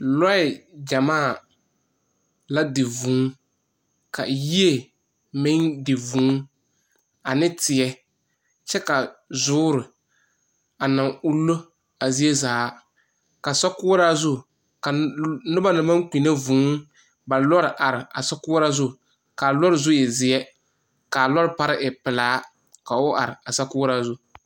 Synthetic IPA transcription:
lɔ˦ɛ˨d͡ʒa˨maː˦˨ | la˦dɪ˨vũː˨˦ | ka̰˨ji˦e˨ | mɪ˦ŋdɪ˨vũː˨˦ | a˨nɪ˦tɪ˨ɛ˦ | t͡ʃɛ˦ka˨zʊː˦ɾɪ˨ | a˨na˨ŋu˦lːo˦ | a˨zi˦e˦zaː˨˦ | ka˨sa˦kʊː˦ɾa˦zʊ˦ | ka˨nʊ˦ba˦nɪ˨ma˦ŋki˨ne˦vuː˨˦ | ba˨lɔ˦ɾɪ˨ʔa˨ɾɪ˨a˨sa˦kʊː˦ɾa˦zʊ˦ | ka˨lɔ˦ɾɪ˨zʊ˦jɛ˨zɪ˨ɛ˦ | ka˨lɔ˦ɾɪ˦pa˦ɾɪ˦ʔɪ˨pɪ˨laː˨˦ | ka˨ʊ˦ʔa̰˨ɾɪ˨a˨sa˦kʊː˦ɾa˦zʊ˦

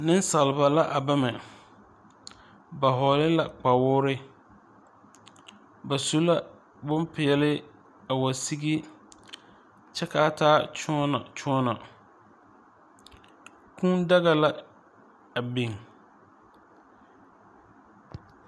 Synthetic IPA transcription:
nɪ̃˦n˦sa˨lɪ˨ba˨la˦ʔa˨ba˦mɛ˨ | ba˨ɦɔ˨lɪ˦la˨k͡pa˨wʊː˦ɾɪ˦ | ba˨su˦la˦ | bʊ˦mpʰɪ˨ɛ˨lɪ˦ | a˨wa˨si˦ɡi˦ | t͡ʃɛ˦kʰaː˦tʰaː˦t͡ʃʊ˦ɔ˦na˨t͡ʃʰʊ̃˦ɔ˦nɔ˨ | kʰũ˦nda˦ɣa˨la˦ | a˨be˨ŋ

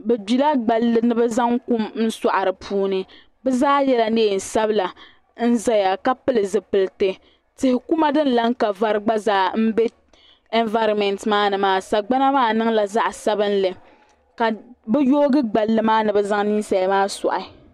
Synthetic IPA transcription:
bɛ˨bi˨la˦ɡ͡ba˨lːɨ˨nɨ˦bɛ˦za˦ŋku˦m˦n̩˦sa˨ʔa˨ɾɨ˨pʰuː˦nɨ˨ | bɛ˦zaː˦jɛ˦la˦neː˦˨n̩˨sa˦bla˨ | n̩˦za˦ja˨ka˦pɨ˦lɨ˨zɨ˨pɨ˨lɨ˨tɨ˨ | tɪ˨hɪ˨ku˦ma˦dɨ˦n̩˦la˦ŋka˨va˦ɾɨ˦ɡ͡ba˦zaː˦m̩˦be˦ | e˦nva˦ɾɔ˨mɛ˨ntmaː˦nɨ˨maː˦sa˨ɡ͡ba˦na˦maː˦nɨ˦ŋla˨za˦ʔsa˦bɨ˦n˦lɨ˨ | ka˨bɛ˦joː˦ɡɨ˦ɡ͡ba˨lːɨ˨maː˦nɨ˨bɛ˦za˦ŋni˦sa˨lmaː˦sɔ̰˨ʔa˨

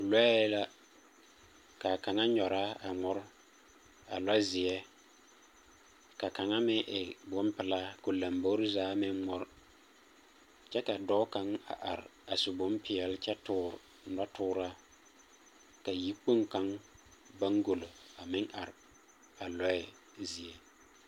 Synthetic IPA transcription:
lɔ˦ɛ˦la˦ | ka˨ka˨ŋa˦ɲɔ˨ɾa˦a˨ŋʊ˦ɾ | a̰˨la˦zɪ˨ɛ˦ | ka˨ka˨ŋa˦mɪ˦ʔɪ˨bʊ˦mpɪ˨la˦ko˨la˨mbo˦ɾzaː˦mɪ˦ŋːɔ˦ɾ | t͡ʃɛ˦ka˨dɔ˦ka˦ŋa̰˨ʔa˨ɾa˨su˨bʊ˨˦mpʰɪ˨ɛ˨lt͡ʃɛ˦tʊː˦˨ɾ | nɔ˦tʰʊː˦ɾa˦ | ka˨ji˦k͡po˦ŋka˦ŋba˦ŋɡo˨lo˨a˨mɪ˦ŋʔa˨ɾ | a˨lɔ˦ɛ˦ | zɪ˨ɛ˦

